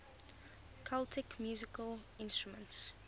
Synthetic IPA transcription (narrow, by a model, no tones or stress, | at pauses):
kʰaltʰɪkmjuːzɪkəl | ɪ̃nstɹumə̃nts